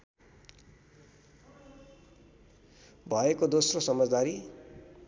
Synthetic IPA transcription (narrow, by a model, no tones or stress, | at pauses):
bʱʌekod̪osrosʌmʌd͡zd̪aɾi